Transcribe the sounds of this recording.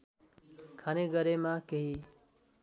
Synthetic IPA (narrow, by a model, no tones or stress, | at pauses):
kʰaneɡʌɾemakeɦi